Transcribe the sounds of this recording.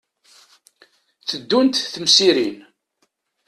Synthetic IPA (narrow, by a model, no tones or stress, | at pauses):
θəd̪ːunt̪θəmsiɾin